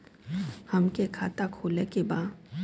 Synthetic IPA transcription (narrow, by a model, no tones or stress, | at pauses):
həmkekʰaːt̪akʰoːlekebaː